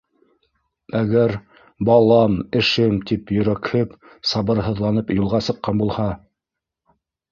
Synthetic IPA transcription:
æɡæɾ | bɑlˠɑmɘ̆ʃɘmt̪ipjɵ̆ɾækhɘp | sɑβɤ̆ɾɦɤ̆ðlˠɑnɤpjulˠʁɑsɤ̆qːɑnbulˠhɑ

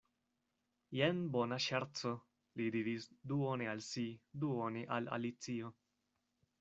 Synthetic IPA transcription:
jenbonaʃaɾt͡so | lidiɾisduonealsiduoneʔa̰la̰lit͡sio

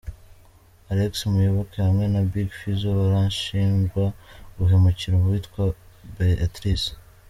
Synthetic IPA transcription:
aɾeksmujoβokehamŋe̞nabiɡfizoβaɾanʃiːnzɡwaβuɦe̞mociɾoβwitkwa | beatɾis

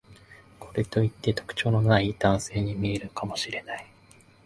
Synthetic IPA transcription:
kʰo̞ɾe̞t̪o̞it̪ːe̞t̪o̞̥kɯ̟̥t͡ɕo̞ːno̞naid̪̥ãɰ̃se̞ːɲ̟imʲie̞ɾɯ̟kamo̞ɕiɾe̞nai

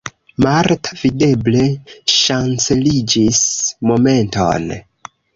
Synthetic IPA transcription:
maɾtavide̞ble̞ʃant͡se̞lid͡ʒismo̞me̞nto̞̰n

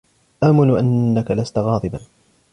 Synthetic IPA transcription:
ʔaːmɪnuʔanːakalast̪aɣɑːd̪ˤɨban

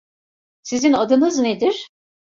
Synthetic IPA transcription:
sizinad̪ɯnɯzned̪iɾ̥

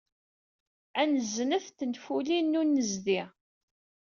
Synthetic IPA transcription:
ænəzːnəθt̪ːənfulinːunːəzði

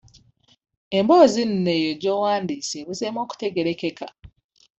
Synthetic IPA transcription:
e̞mboːzin̩nejoɟowaːndiːseβuzemoːku̥te̞ɡe̞ɾekeka

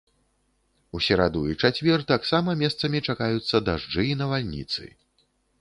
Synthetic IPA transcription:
usʲɛɾad̪uit͡ʂat͡sʲvʲɛrt̪aksamɐmʲɛst̪sɐmʲit͡ʂakajut̪sːɐd̪aʐd͡ʐɨinɐvalʲnʲḭt̪sɨ̰

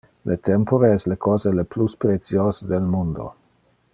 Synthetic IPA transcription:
lʔet̪ɛmpoɾeɛslekʰɔːzelepluspɾet̪sjoːsed̪elmund̪o̰

